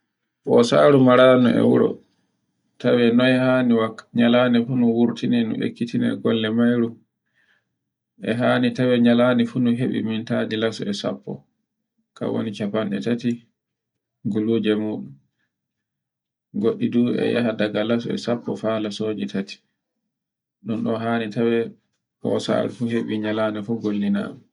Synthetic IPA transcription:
ɓɔsaːɾumaɾanuɛ̰wuɾɔ̰ | tawɛnɔɛhaniwaɲalaːnɛfunuwuɾtʰinɛnṵʔḛkːitinɛɡɔlːɛmajɾum | ʔɛɦaːnitawɛɲalaːnɛfunuɦeɓḭmintadilasɔɛsa̰pʰːɔ̰ | ka̰wo̰nit͡ʃapanɛtati | ɡuluːd͡ʒɛmuːɗum | ɡoɗːiduːɛ̰ja̰hadaɡalas̬ɔɛ̰sapːɔfalasoːd͡ʒitʰati̥ | ɗɔnɗɔɦanitawɛ | pɔ̰sa̰lfuɦeɓiɲalaːnifuɡolːina̰ːmɛ

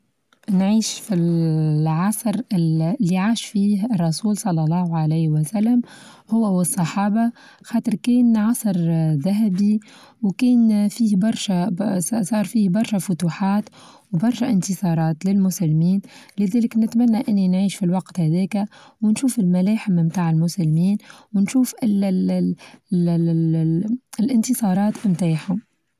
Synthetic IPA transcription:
nʕiːʃfilʕɑsˤɾɪlːiʕaːʃfiːɦɑrˤːɑsuːlsˤɑlːɑlˤːɑːhʕaleːhwæsælːæm | hʊwːæwɨsˤːɑħɑːba | xɑːt̪ɨɾˤkɛːnʕɑsˤɾðæɦæbi | wkɛːnfiːhbɑɾˤʃæsˤɑːɾˤfiːhbɑɾˤʃæfʊt̪uːħɑːt̪ | wbɑɾˤʃaʔɪnt̪ɨsˤɑːɾˤɑːt̪lɪlmʊsælːmiːnlɪðæːlɪknɪt̪mænːaʔɪnːinʕiːʃfilwɑqt̪hæðɛːkæwɪnʃuːfɪlmælæːħɪmmt̪aːʕɪlmʊsælːmiːnwnʃuːfɪl | lʔɪnt̪ɨsˤɑːɾˤɑːt̪mt̪aːħhʊm

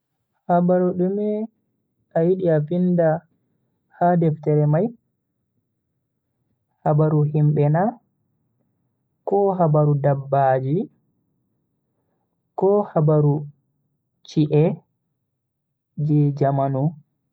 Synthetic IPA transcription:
habaɾuɗumɛ | ʔajiɗiafinda | hadɛftɛɾɛmaj | habaɾuɦimbɛna | kɔɦabaɾudabːaːd͡ʒi | kɔhabaɾu | t͡ʃiʔɛ | d͡ʒɛd͡ʒamanu

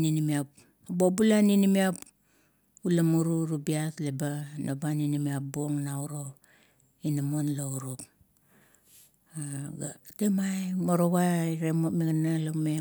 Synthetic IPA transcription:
ninimiap | abobulaninimiap | ulamuɾuɾubiaslebanobaninimiap̚boŋnauɾo̞ | inamonlouɾup | aɡatemajmoɾoβaɾemomiɡanalome

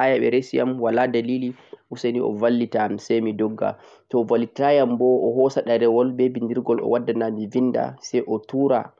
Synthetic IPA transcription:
ʔajaɓɛ̰ɾesija̰mwaladaliːliʔuseniʔɔ̰valːitamsɛjmidɔɡːa̰ | tɔvalːitajambɔʔɔɦɔsaɗaɾɛwɔlbɛbindiɾɡɔlɔ̰wadːanamivinda̰sɛjʔɔtuːɾa

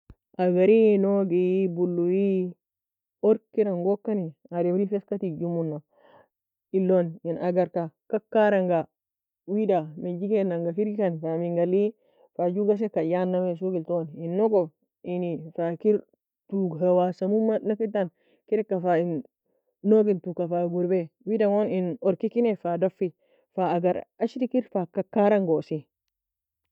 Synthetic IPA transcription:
ʔaɡaɾinoɡijbulːuji | oɾkiɾaŋɡokːaniaɾimɾifeskat̪id͡ʒumunːa | ilːoninaɡaɾkakakːaɾaŋɡa | widamed͡ʒikenaŋɡafiɾikanfamiŋɡali | fad͡ʒuɡas̬ekajanːames̬uɡiltɔninːɔɡɔ | inifakiɾ | tuɡɦawasɐmumːanakitːan | kiɾɛkːafain | noɡintukafaɡuɾbɛwidaŋoninɔɾkikinefadafːi | faːɡaɾaʃiɾikiɾfakakːaɾaŋɡosi

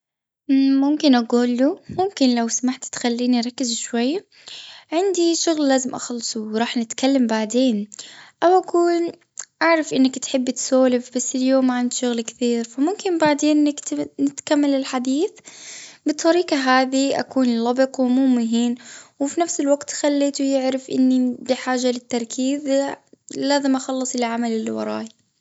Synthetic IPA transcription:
mʊmkɪnʔaɡuːlːumʊmkɪnlawsamaħt̪t̪xalːiːniɾˤɑkːɪzʃwajːa | ʕɪnd̪iʃʊɣlːaːzɪmʔɑ̰xlsˤwɾˤɑːħnɪt̪kalːambaʕd̪eːnʔawʔakuːn | ʔaʕɾˤɑfʔɪnːakt̪ħɪbːt̪soːlɪfbasːɪljoːmːaʕand̪ʃʊɣlkθiːɾfamʊmkɪmbaʕd̪eːnːknɪt̪kamːalɪlħad̪iːθbɨt̪ˤːɑɾiːqɑɦaːðiʔa̰kuːnlɑbɨqwɪmuːmʊɦiːnwɪfinafsɪlwaɡt̪xalːeːt̪ujɪʕɾɪfʔɪ̰nːibiħaːʒːalɪt̪ːɑɾˤkʰiːz | laːzɪmʔɑxɑlːɨsˤɪlʕamalɪlːiwɑ̰ɾˤɑ̰ːj

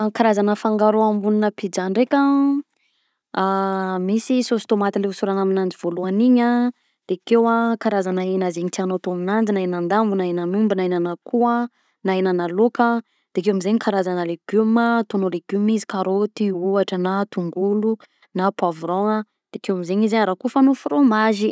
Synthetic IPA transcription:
kaɾazanəfaŋɡaɾoambuninəpid͡zaɳɖ͡ʐekʲa | amisisost̪omat̪ileusuɾanaminand͡ziv̥oluaniɲa | d̪̥ekewakaɾazanainazeɲit̪ianot̪oaminand͡ʒinaenand̪ambunaenanumbinainanəkua | naenanəlokə | d̪̥ekewamizeɲikaɾazanəleɡ̥umət̪onoleɡumizi̥kaɾot̪iuaʈ͡ʂənat̪uŋɡulu | napavɾoŋə | d̪̥ekewamizeɲizaɲaɾakufanofromaʒi

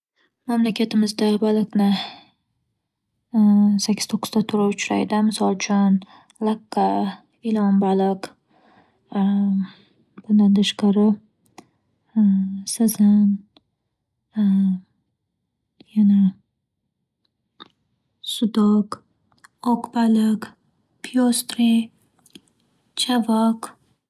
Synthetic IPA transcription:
mamlakʲʰat̪ɪmɪzd̪abalˠɨqnɪ | sakʲʰːɪ̥t̪ʰoqʰːɨ̥zd̪at̪ʰʊɾaʊt͡ʃʰɾa̰jd̪ɪmɪsɒlˠt͡ʃʰʊn | laqːa | ɪlɒmbalɪq | b̥ʊnd̪and̪aʃqaɾɪ | sazan | jana | sʊd̪ɔk | okbalɪk | pʰijost̪ɾi | t͡ʃʰavɑk

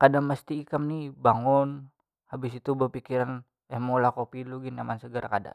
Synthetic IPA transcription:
kadaŋməst̪iːkamnihbaŋʊn | habɪsit̪ubərpikiɾan | ɛhmolakopiluɡinamansəɡəɾʔakada̰

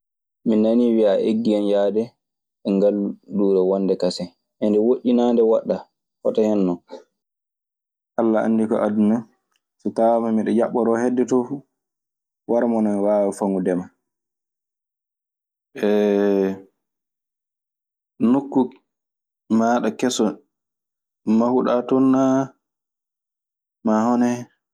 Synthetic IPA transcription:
minːaniwiaʔeɡːianjaːdɛ | ɛŋɡalːuduːɾɛwɔnːdɛkasɛ | ʔɛndɛwoʔːinaːndɛwaɗːa | fɔtahɛnːɔ | ʔalːaa̰nːdikɔ̰ʔaduna | sɔtawmamiɗɔjaɓːɔɾɔhɛdːɛtɔfu | waɾmɔnɔmiwaːwafaŋɡudɛma | ʔɛ | nokːu | maːɗakɛsɔ | mahuɗatɔnːa | mahɔnɛ

